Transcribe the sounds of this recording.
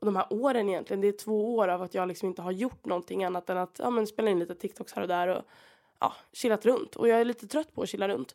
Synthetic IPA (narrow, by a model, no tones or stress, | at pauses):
ɔd̪ɔmhæːɾʔoːɾɛnɪjɛnt̪lɪɡənd̪ɛːʈʰvoːoːɾavat̪jɑːɡlɪksɔmɪnt̪əɦaɾjʊʈːnɔnt̪ʰɪŋːanːat̪ɛnat̪ʰjɑ̰ːmɛnspeːlaɪnliːt̪ət̪ʰɪkt̪ʰɔkshæːɾɔd̪æɾɔ̰ | ʔɑ̰ːɕɪlːat̪ɾɵnt̪ʰɔ̰jɑːɡæɭiːt̪ət̪ʰɾœt̪ːpʰɔɔɕɪlːaɾɵ̰nt̪